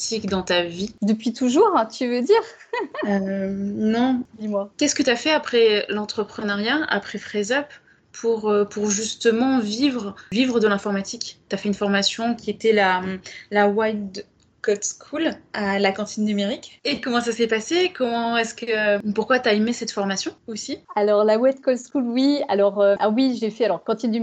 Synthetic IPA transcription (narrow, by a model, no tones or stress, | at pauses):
t̪ikd̪ɑ̃t̪avid̪əpɥit̪uʒuʁɛ̃t̪ʰyvød̪iʁønɔ̃d̪imwakʲɛskət̪yafɛapχɛlɑ̃t̪χəpχənaʁjaa̰pχɛfχɛzap | pʰuʁøpʰuʁʒyst̪əmɑ̃vivʁəvivʁəd̪əlɛ̃fɔʁmat̪ʰikt̪yafɛynfɔʁmasjɔ̃kʲiet̪ɛlalawajd̪ | kɔt̪skʰulalakɑ̃t̪inːymeʁikekɔmɑ̃sasɛpasekɔmɑ̃ɛskəpuʁkwat̪yaemesɛt̪fɔʁmasjɔ̃osialɔʁlawɛt̪̚kɔt̪skulwia̰lɔʁøwiʒefɛalɔʁkɑ̃t̪ind̪y